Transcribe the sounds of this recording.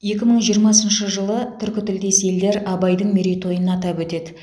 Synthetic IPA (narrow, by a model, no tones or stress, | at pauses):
je̞kʲɪməɴʒijəɾmɑsənʃəʒəlˠət̪ʰʏɾkʲɪt̪ɪld̪e̞se̞ld̪e̞ɾɑbɑjd̪əɴmeɾit̪ʰo̞jənɑt̪ɑpwɵt̪e̞d̪ɪ